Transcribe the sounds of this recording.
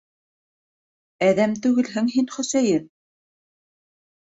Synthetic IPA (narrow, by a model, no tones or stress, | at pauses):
æðæmt̪ʉɡɘ̆lɦɘŋɦinχɵ̆sæjɘn